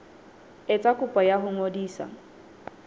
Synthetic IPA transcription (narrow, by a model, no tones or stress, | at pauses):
ɪt͡sʼakʼʊpʼɔjaɦʊŋodiːsa̰